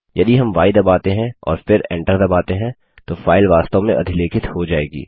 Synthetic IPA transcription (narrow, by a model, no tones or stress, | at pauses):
jɐd̪iɦɐmʋaːɪd̪ɐbaːt̪eɦɛ̃ɔ̰ːɾfɪɾɛ̰̃ːɳʈəɾd̪ɐbaːt̪eɦɛ̃ | t̪ofaːɪlʋaːst̪õmẽʔɐd̪ʱɪleːkʰɪt̪hod͡ʒaːḛːɡḭː